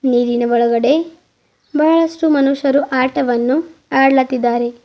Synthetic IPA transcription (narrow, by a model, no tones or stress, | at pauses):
niːɾinɐʋɔɭɐɡɐɽe̞ | bʱɐɦɐɭɐʂʈumɐnuʂɐɾuʔaːʈɐʋɐnːuaːɽlɐt̪ːid̪ːaːɾe̞